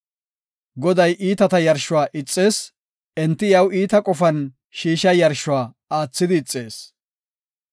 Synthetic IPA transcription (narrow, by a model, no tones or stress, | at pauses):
ɡɔd̪ɐjʔiːt̪ɐt̪ɐjɐɾʃʊwaːʔɪt͡sʼːe̞ːs | ɛnt̪ːɪjɐwiːt̪ɐkʼɔfɐn | ʃiːʃɐjɐɾʃʊwaː | aːt͡sːɪd̪ɪːt͡sʼːe̞ːs